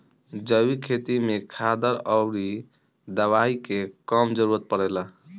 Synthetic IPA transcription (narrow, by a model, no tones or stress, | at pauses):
d͡ʒəwikʰet̪imekʰad̪əɾəwɾi | d̪əβaikekəmd͡ʒəɾuɾət̪̚pəɽɛla